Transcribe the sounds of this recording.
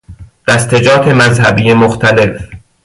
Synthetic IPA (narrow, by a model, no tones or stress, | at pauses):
d̪̥æst̪ʰe̞d͡ʒɒːt̪ʰe̞mæzhæbiːjemoxt̪ʰæle̞f